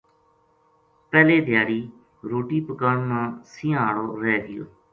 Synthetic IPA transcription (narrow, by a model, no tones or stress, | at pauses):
pɛːleːd̪ʱɪjaːɾiː | ɾoːʈiːpəkaːɳnãːsɪ̃ãːɽoːɾɛːɡɪjo̰ː